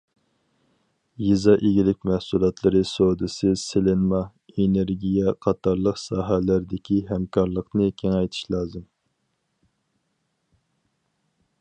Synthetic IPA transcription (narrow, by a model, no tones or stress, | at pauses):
jizɑʔeɡʲilɪk̚ʲmæhsulˠɑt̪ʰlˠɨɾɨsod̪ɨsɨselɪnmɑ | eneɾɡʲijɛqʰɑt̪ɑɾlˠəqsɑːɦælæɾd̪ɪkʲiɦɛmkʰɑɾlˠəqnɨkʲʰeŋɛjt̪ʰɨ̥ʃlˠɑːzɨm